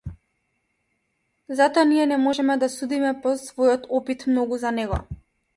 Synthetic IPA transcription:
zat̪ɔaniɛnɛmɔʒɛmɛd̪asud̪imɛpɔsvɔjɔt̪ɔpit̪mnɔɡuzanɛɡɔ̰

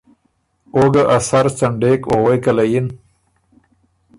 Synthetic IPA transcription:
oɡaʔasaɾsaɳɖeːkoɣejkalajin

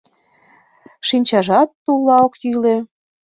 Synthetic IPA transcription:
ʃinʲt͡ɕɑʒɑt̪ːulˠːɑokjyle

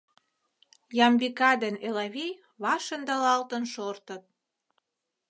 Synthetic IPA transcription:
jɑmbikɑd̪ənelɑβʲej | βɑʃend̪ɑlɑlt̪ənʃort̪ə̆t̪̚

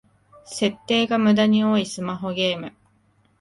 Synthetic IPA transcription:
se̞t̪ːe̞ːɡamɯ̟d̪aɲ̟io̞ːisɨmaɦo̞ɡe̞ːmɯ̟̰

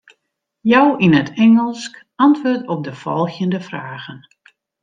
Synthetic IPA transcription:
jɔwinətʰɛŋəlˠsk | ɑntʋʊːrtɔp̚dəfɔ̰lˠxjəndəfraːɣən

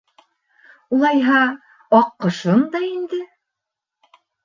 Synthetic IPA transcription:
ulˠɑjɦɑ | ɑqːɤ̆ʃɤnd̪ɑind̪ɘ

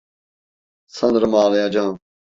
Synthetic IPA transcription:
sɐ̃nd̪ɾəmaːljãːd͡ʒãː

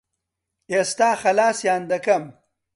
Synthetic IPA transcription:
est̪aːxɐlaːsjaːnd̪ɐkɐm

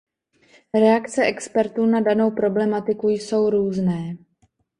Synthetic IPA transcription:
ɾɛakt͡sɛʔɛkspɛɾt̪uːnadano̞wpɾo̞blɛmat̪ɪkujso̞wɾuːznɛː

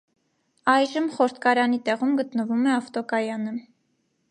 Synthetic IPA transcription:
ɑjʒəmχɔɾt̪ʰkɑɾɑnit̪ɛʁumɡət̪nəvumɛɑft̪ɔkɑjɑnə

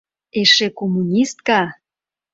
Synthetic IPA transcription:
eʃekomunʲist̪̚kɑ

